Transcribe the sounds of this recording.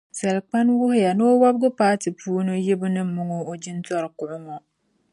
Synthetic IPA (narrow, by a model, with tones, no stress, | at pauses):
sa˨lk͡pa˦nwʊ˦hʊ˦ja˨no˦o˦wa˦bɡʊ˦paː˦tɨ˨puː˦no˦jɪ˦bɨ˦nɨ˦mʊ˦ŋo˦o˦d͡ʒi˦n˦tɔ˦ɾɨ˨kʊ˨ʔʊ˦ŋɔ˨